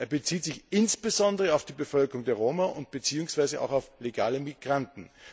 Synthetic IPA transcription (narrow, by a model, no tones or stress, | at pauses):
ʔeːɐbət͡siːtz̥ɪçɪnsb̥əzɔndəʁəaʊfd̥iːbəfœlkəʁʊŋdeːɐʁoːmaʔʊnt̚b̥ət͡siːʊŋsv̥aɪzəʔa̰ʊxaʊfleɡaːləmiɡ̥ʁantn̩